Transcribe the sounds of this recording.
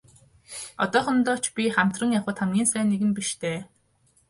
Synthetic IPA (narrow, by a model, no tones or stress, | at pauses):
ɔ̰t̪ɔːχɞ̆nt̪ɔːt͡ɕpʲiχam̥t̪rə̆ŋjaχə̆ːt̪χamɡʲiːnsæːnːeɣɘ̆mpiʃt̪ʰeː